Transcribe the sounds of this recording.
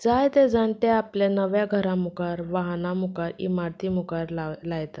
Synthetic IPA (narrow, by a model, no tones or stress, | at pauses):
d͡zajt̪ed͡zaɳt̪eaplanəʋjaɡʱəɾãmukaɾʋaɦnamukaɾḭmaɾt̪imukaɾllajtt̪a